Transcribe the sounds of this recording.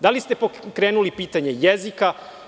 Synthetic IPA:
d̪alist̪e̞pokɾeːnulipiːt̪aɲe̞jezika

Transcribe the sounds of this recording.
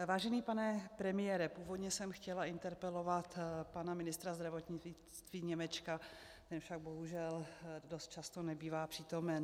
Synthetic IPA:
vaːʒɛniːpanɛpɾɛmɪjɛːɾɛpuːvo̞dɲɛsɛmxcɛlaɪnt̪ɛɾpɛlo̞vat̪panamɪnɪst̪ɾazd̪ɾavo̞t̪ɲɪ | t̪viːɲɛmɛt͡ʃkatt̪ɛnfʃaɡ̚bo̞ɦuʒɛldo̞st̪̚t͡ʃast̪o̞nɛbiːvaːpr̥iːt̪o̞mɛn

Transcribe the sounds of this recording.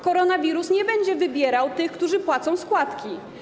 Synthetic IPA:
kɔɾɔnavʲiɾusɲɛbɛɲd͡ʑɛvɘbʲjɛɾawt̪ɘxkt̪uʐɘpwat̪sɔ̃w̃skwat̪kʲi

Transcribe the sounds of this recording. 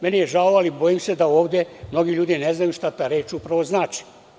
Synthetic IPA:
menijeʒaloalibo̞jimse̞d̪aoːʋd̪jemno̞ɡiʎuːd̪ineznajuʃt̪at̪aːɾeːt͡ʃupɾaʋoznaːt͡ʃi̥

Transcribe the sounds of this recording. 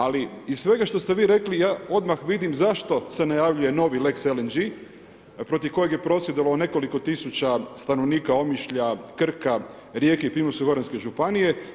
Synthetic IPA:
aliissʋe̞ɡaʃt̪o̞st̪e̞ʋiːɾe̞klijaːo̞d̪maxʋid̪imzaʃt̪o̞se̞najaʋʎuje̞no̞ʋilekselend͡ʒi | pɾo̞t̪iʋko̞je̞ɡje̞pɾo̞sjed̪alone̞ko̞liko̞t̪isut͡ʃast̪anoʋniːkao̞miʃʎakr̩ka | ɾjekeipimosuɡo̞ɾanske̞ʒupanije̞

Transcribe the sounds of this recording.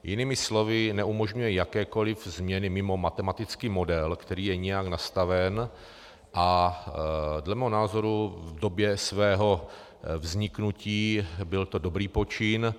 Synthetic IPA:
jɪnɪmɪslo̞vɪnɛʔumoʒɲujɛjakɛːko̞lɪvzmɲɛnɪmɪmo̞mat̪ɛmat̪ɪt͡skiːmo̞dɛlkt̪ɛɾiːjɛɲɛjaknast̪avɛn | ʔa | dlɛmɛːɦonaːzo̞ɾuvdo̞bjɛsvɛːɦo̞ | vzɲɪknuciːbɪlt̪o̞dobɾiːpo̞t͡ʃɪn

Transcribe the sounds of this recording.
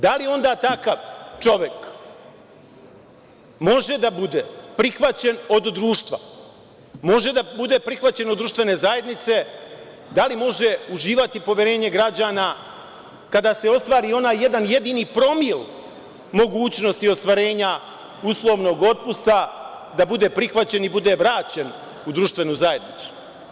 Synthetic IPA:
d̪alio̞nd̪aːt̪akaʋt͡ʃo̞ʋjek | mo̞ʒe̞d̪abud̪epɾixʋat͡ɕe̞no̞d̪d̪ɾuːʃt̪ʋa | mo̞ʒe̞d̪abud̪e̞pɾixʋat͡ɕe̞nod̪d̪ɾuʃt̪ʋe̞ne̞ːzaje̞d̪nit̪se̞ | d̪alimo̞ʒe̞uʒiːʋat̪ipo̞ʋʲjeɾe̞ːɲe̞ɡɾad͡ʑaːna | kad̪aːse̞o̞st̪ʋaːɾio̞naːjːe̞d̪anje̞d̪inipɾo̞mil | mo̞ɡuːt͡ɕno̞st̪io̞st̪ʋaɾe̞ːɲa | uslˠo̞ːʋno̞ɡo̞t̪̚pust̪a | d̪abud̪e̞ːpɾixʋat͡ɕe̞nibud̪e̞ʋɾaːt͡ɕe̞n | ud̪ɾuʃt̪ʋe̞nuzaje̞d̪nit̪su̥

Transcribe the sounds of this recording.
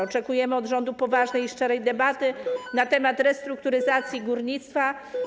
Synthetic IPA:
ɔt͡ʂɛkujɛmɘɔd̪ʐɔnd̪upɔvaʐnɛjiʂt͡ʂɛɾɛjd̪ɛbat̪ɘnat̪ɛmat̪ɾɛst̪ɾuk̚t̪uɾɘzat̪sʲjiɡuɾɲit̪st̪fa

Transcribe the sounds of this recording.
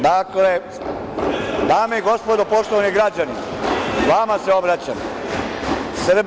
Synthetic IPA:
d̪akle̞ | d̪aːmeiɡo̞spo̞d̪opo̞ʂt̪oʋaniɡɾad͡ʑanimʋamaseo̞bɾat͡ɕa̰m | srb

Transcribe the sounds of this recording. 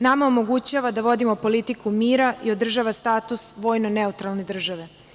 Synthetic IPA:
namaomo̞ɡut͡ɕaːʋad̪aʋo̞d̪imo̞po̞lit̪ikumiːɾaio̞d̪r̩ʒaːʋast̪aːt̪usʋo̞ːjnoneut̪ɾalˠne̞d̪r̩ʒaʋe̞

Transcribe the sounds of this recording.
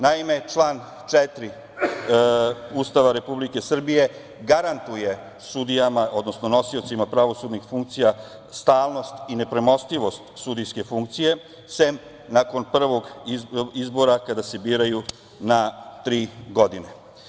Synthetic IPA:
naime̞t͡ʃlˠaːn | t͡ʂet̪ɾi | ust̪aʋaɾe̞publike̞sr̩bije̞ | ɡaɾant̪uje̞ | sud̪ijamao̞d̪nosno̞no̞siot̪simapɾaʋo̞suːd̪nixfuŋk̚t̪sija | st̪aːlˠno̞st̪ine̞pɾe̞mo̞st̪iʋo̞st̪sud̪ijske̞fuŋk̚t̪sije̞ | sem | nako̞npr̩ʋo̞ɡ | izbo̞ɾakad̪ase̞biːɾaju | nat̪ɾiːɡo̞d̪ine

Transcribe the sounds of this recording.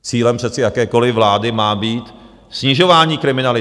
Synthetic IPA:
t͡siːlɛmpr̥ɛt͡sɪjakɛːko̞lɪvlaːdɪmaːbiːt̪ | sɲɪʒo̞vaːɲiːkɾɪmɪnalɪ

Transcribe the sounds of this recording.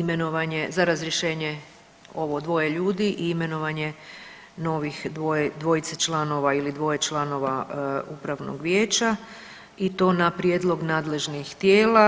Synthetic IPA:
ime̞no̞ʋaɲezaɾazɾje̞ʃe̞ːɲe | o̞ʋo̞d̪ʋo̞jeʎuːd̪iʔiime̞no̞ʋaɲe̞ | no̞ʋixd̪ʋoed̪ʋo̞jit̪set͡ʃlˠano̞ʋailid̪ʋo̞jet͡ʃlˠano̞ʋaupɾaʋno̰ɡʋjeːt͡ɕa | it̪o̞ːnapɾjed̪lˠo̞ɡnaːd̪le̞ʒnixt̪jeːla

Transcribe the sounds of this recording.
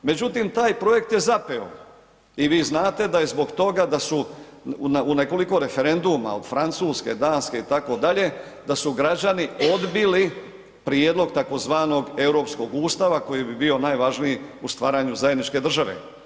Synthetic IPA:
me̞d͡ʑut̪imt̪aːjpɾo̞je̞k̚t̪je̞zapeo̰ | iʋiːznaːt̪e̞d̪ajezbo̞ɡt̪o̞ɡad̪asu | nuneko̞liko̞ɾe̞fe̞ɾe̞nd̪uma̰od̪̥fɾant̪suːske̞d̪aːnske̞it̪ako̞d̪aʎe̞ | d̪asuɡɾad͡ʑanio̞d̪bili | pɾijed̪lo̞ɡt̪ako̞zʋaːno̞ɡe̞wɾo̞ːpsko̞ɡuːst̪aʋako̞jibibio̞najʋaʒnijiust̪ʋaːɾaɲuzajed̪nit͡ʃke̞d̪r̩ʒaʋe̞̰

